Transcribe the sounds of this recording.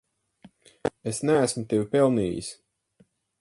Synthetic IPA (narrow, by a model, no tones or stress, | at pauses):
esnæːsmut̪ewʲpɛlˠniːjḭs